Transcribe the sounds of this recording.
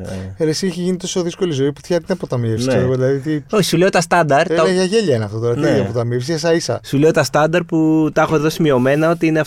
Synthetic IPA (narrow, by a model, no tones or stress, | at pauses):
elesiiçeʝinit̪o̞so̞ðisko̞lizo̞ipu̥θçɐt̪inɐpot̪ɐmiefsieeɣoðilɐðit̪io̞çi̥sule̞ot̪ɐst̪ɐnd̪ɐɾɐʝɐʝeʎɐineɐft̪ot̪oɾɐiiɐpot̪ɐmiefs̬ies̬ɐisɐ̰sule̞ot̪ɐst̪ɐnd̪ɐɾput̪ɐxo̞ðo̞simio̞me̞nɐo̞t̪iine̞ɐ